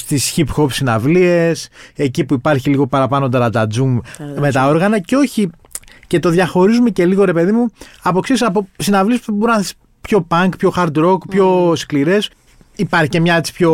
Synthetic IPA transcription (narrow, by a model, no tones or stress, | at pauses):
st̪isçipxo̞psinɐvlie̞se̞cipuipɐɾçiliɣo̞pɐɾɐpɐno̞nd̪ɐɾɐd̪ɐd͡zumme̞t̪ɐo̞ɾɣɐnɐceo̞çi | ce̞t̪o̞ðʝɐxo̞ɾizume̞ce̞liɣo̞ɾe̞pe̞ðimuɐpo̞ksisɐpo̞sinɐvlie̞spboɾnɐθes | pço̞pɐŋkpço̞xɐɾd̪ɾo̞kpço̞skliɾe̞s | ipɐɾçice̞mɲɐet͡si̥pço̞